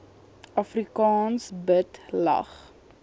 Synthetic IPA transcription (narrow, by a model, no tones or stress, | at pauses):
ʔɐfrikɑːnsbətlɐ̰χ